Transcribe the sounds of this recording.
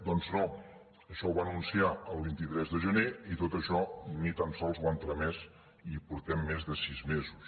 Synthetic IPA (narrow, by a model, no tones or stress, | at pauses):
d̪ɔnzno | əʃɔwβanunsiaəlˠβint̪it̪ɾɛzðəʒəneit̪ot̪əʃɔnit̪ansɔlˠzuwant̪ɾəmɛz | ipuɾt̪ɛmːezðəsizmezus